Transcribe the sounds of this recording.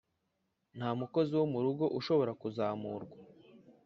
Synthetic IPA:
n̥haːmuko̞ziwo̞muɾuɡo̞ʔuʃo̞βo̞ɾakuzaːmuːɾɡwa

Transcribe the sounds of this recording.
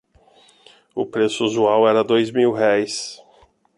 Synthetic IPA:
ʊ̰pɾesʊazuawɛɾɐd̪ojzmiwɦɛjs

